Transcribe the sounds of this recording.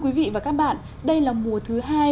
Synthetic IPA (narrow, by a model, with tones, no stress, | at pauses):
kwi˨˦vḭ˧˨vaː˨˩kaː˦˥k̚ɓa̰ː˧˨n | ɗə˧jlaː˨˩mu˨˩ət̪ʰɨ˨˦ɦaː˧j